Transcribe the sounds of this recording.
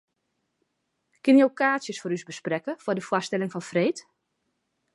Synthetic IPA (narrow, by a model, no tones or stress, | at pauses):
kɪnjokaːsjəsfʊːɾysbəsprɛkəfɔdəfwastɛlɪŋfɔnfreːt